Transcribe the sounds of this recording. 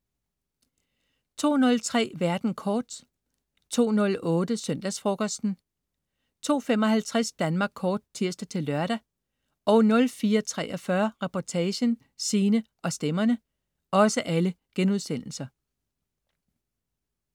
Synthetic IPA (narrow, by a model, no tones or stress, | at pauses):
t͡sʰo̝̰ːnɔ̽lt͡sʰʁɛ̰ːʋæɐd̥n̩kʰɒːd̥ | t͡sʰo̝̰ːnɔ̽lɔ̽ːdəsøn̰d̥æsfʁɔkʰɒsd̥n̩ | t͡sʰo̝̰ːfemɒ̽ɦælt͡sʰʁɛsd̥ænmɑ̈ːɡ̥kʰːɒːd̥̚t͡sʰiɐ̰sd̥æt͡sʰe̝lːɶɐɾ̥æ | ʔɒ̽ʊnɔ̽lfiːɐt͡sʰʁɛ̰ːʔɒfɶɐʁɛpʰɒt͡sʰɛːɕən | siːnəʔɒ̽sd̥emɐnə | ɒ̽səʔælə | ɡ̥enuð̞ˠsen̰l̩sɐ